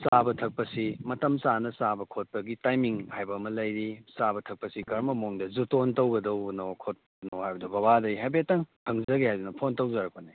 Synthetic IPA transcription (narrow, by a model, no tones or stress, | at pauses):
sabɐtʰɐk̚pɐsimɐtɐmsanɐsabɐkʰot̚pɐɡitajmiŋhajbɐmɐlɐjɾisabɐtʰɐk̚pɐsikɐɾmɐmoŋdɐzutontɐwɡɐdɐwnokʰot̚ | nohajbɐdɐbɐbadɐjɦajbetːɐŋtʰɐŋzɐɡehajdunopʰontɐwzɐɾɐkone